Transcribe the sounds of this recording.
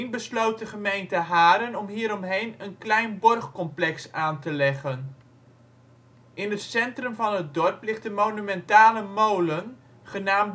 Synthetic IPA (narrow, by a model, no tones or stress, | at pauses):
nbəslowt̚dəχəmejntəɦaːɾənɔmɦiːɾɔmɦejnənklɛjnbɔrχkɔmplɛksaːntəlɛχən | ʔɪnɦətsɛntrɵmvɑnɦət̚dɔɹplɪχt̚dəmownymɛntaːləmowlən | χənaːm